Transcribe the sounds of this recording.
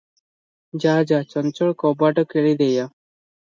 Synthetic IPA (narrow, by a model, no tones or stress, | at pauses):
d͡ʒad͡ʑat͡ʃɔnt͡ʃɔɭkɔbaʈɔkeɭid̪eja